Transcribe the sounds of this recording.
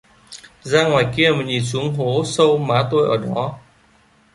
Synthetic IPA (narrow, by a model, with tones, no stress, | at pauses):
zaː˧ŋwaː˨˩jki˧əmə˨˩ɲi˨˩su˨˦əŋɦo˨˦sə˧wmaː˨˦t̪o˧jʔəː˧˩ɗɔ˨˦